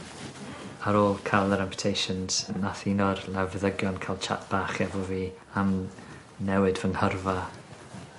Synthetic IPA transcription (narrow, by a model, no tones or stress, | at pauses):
əɾoːlˠkʰalˠəɾɛmpʰə̥tʰejʃənz̥ənaθinɔrlˠɛvðəɡjɔnkʰalˠt͡ʃʰa̰tb̥aːχɛvɔviː | am | nɛwɨdvənhərva